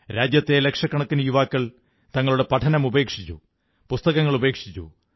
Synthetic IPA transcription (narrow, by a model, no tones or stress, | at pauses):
ɾaːd͡ʑjɐt̪ːe̞lekʂɐkːɐɳɐkːunujuʋaːkːɐɭ | t̪ɐŋːɐɭuɽe̞pɐʈʰɐnɐmube̞ːkʂit͡ɕːṵ | pust̪ɐɣɐŋːɐɭube̞ːkʂit͡ɕːṵ